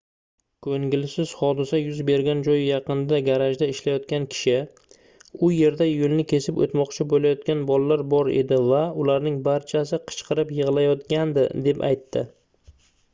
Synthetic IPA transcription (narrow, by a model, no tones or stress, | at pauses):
kʰɵŋɡʲɪlsɪz̥χɒd̪ɪsajʊzbe̞ɾɡʲand͡ʒɒjjɑqɨnd̪aɡʲaɾaʒd̪aɪʃlajɒt̪̚kʲankʲʰɪ̥ʃɪ | ʊje̞ɾd̪ajʊlˠnɪkʲʰe̞sɪpo̰t̪mɒqt͡ʃʰɪbolajɒt̪̚kʲanbɒlˠlːaɾbɒɾe̞̰d̪ɪvaʊlaɾnɪŋbaɾt͡ʃʰasɪqʰɨ̥t͡ʃqʰɨɾɪpjɨʁlˠajɒt̪kʲand̪ɪ̰d̪e̞pa̰jt̪ʰːɪ